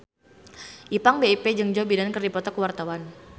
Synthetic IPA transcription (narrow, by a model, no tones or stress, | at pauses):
ʔipaŋbeiped͡ʒɨŋd͡ʒɔbidankərdipɔt̪ɔkəwart̪awan